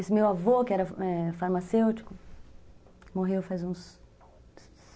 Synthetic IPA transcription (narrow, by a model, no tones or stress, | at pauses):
esɪmewavokɪɛɾɐɛfaɾmasewt͡ʃi̥kʊ | moɦewfajzũs